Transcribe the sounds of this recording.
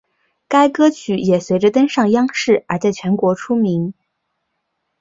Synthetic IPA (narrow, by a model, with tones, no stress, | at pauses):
ka˥ɪkɤ˥t͡ɕʰy˧˩jɛ˨˩swe˧˥ɪʈ͡ʂə˧t̪ə˥nʂɑ˥˩ŋjɑ˥ŋʂɻ̩˥˩ə˞˧˥t͡sa˥˩ɪt͡ɕʰɥɛ˧˥nkwɔ˧˥ʈ͡ʂʰu˥mi˧˥ŋ